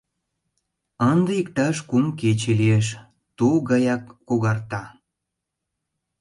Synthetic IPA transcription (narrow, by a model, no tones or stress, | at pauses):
ənd̪eikt̪ɑʃkumket͡ɕelieʃ | t̪uɣɑjɑkːoɣɑrt̪ɑ